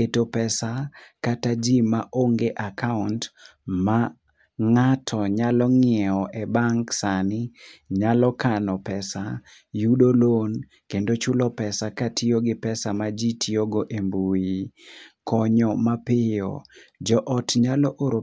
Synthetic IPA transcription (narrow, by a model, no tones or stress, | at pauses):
etopɛsakatad͡ʒimaʔoŋɡeʔakauntma | ŋatʰɔɲalɔŋɪɛɔʔɛbaŋksanɪɲalɔkanɔpɛsa | judolon | kendot͡ʃʊlɔpɛsakatʰɪoɡɪpɛsamad͡ʒitʰioɡoʔembui | kɔɲɔmapɪɔ̰d͡ʒɔʔɔtɲalɔʔoɾo